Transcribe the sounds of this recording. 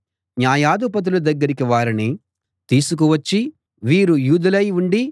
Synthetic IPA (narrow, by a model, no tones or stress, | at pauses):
njaːjaːd̪upɐt̪̬ulud̪ɐɡːɐɾikiʋaːɾini | t̪iːsuk̬uʋɐt͡ʃːi | ʋiːɾujuːd̪ulɐjuɳɖi